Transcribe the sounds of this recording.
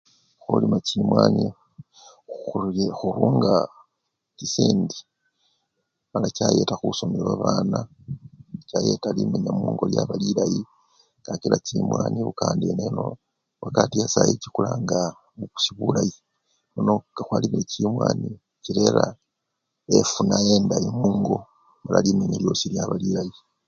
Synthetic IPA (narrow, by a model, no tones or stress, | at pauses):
xulimacimwaːɲi | xuɾuːŋɡa | tisiːndi | malacajetaxusomeβaβaːna | caje̞talimeɲamuuːŋɡo̞ljaβalilaji | ŋɡakilacimwaːniβukaːndieneno̰ | βakatijasajicikulaŋɡa | uu̥siβulaji | munokaxwaliβilecimwaːni | ciɾeɾa | efunajeːndajimuːŋɡo̞ | malalimeɲeljo̞siljaβalilaji